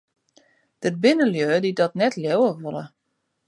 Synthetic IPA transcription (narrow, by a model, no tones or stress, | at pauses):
d̥ərbɪnəljøːdidɔtnɛtljowəʋolˠə̰